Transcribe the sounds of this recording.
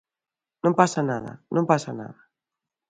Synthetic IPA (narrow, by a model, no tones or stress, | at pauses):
nõmpasanaða̰nʔõmpasana̰ða